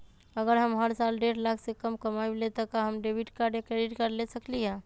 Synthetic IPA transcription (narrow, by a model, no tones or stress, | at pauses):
əɡəɾɦəmɦəɾsalɖeɾlakʰsekəmkəmajblet̪əkaɦəmɖebʱiʈkaɾɖjakɾeɖiʈkəɾlesəklijã